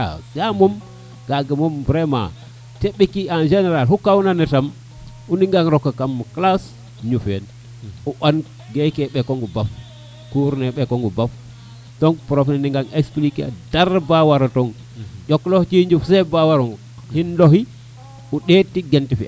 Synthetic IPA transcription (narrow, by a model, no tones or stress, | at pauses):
sjamɔm | ɡ̥aɡamɔmbɾɛma̰ | teɓikiand͡ʒɛnɛɾalhukawnanɛtam | uniŋɡaŋɾɔkːakamklas | ɲufɛ̰n | uʔan | ɡɛkɛɓɛkɔŋɡubaf | kuɾnɛɓɛkɔŋɡubaf | tɔŋpɾɔfɛndiŋɡaŋeksplika̰daɾbawaɾatɔŋ | d͡ʒɔkːlɔht͡ʃiɲd͡ʒufsɛbawaɾɔŋɡ | hinloɦi | uɗetːiɡentifia̰